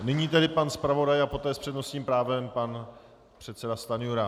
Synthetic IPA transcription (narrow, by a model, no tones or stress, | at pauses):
nɪɲiːt̪ɛdɪpanspɾavo̞dajapo̞t̪ɛːspr̥ɛdno̞sɲiːmpɾaːvɛmpan | pr̥ɛt̪sɛdast̪anɪjuɾa